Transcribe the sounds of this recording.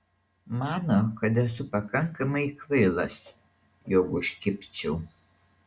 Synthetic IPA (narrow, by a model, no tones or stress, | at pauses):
mɑːnokɐt̪̬ɛsʊpɐkɐŋˑkɐmɐɪkʋɐɪlˠɐs | joːkʊʃʲkʲɪpʲt͡ʃʲɛʊ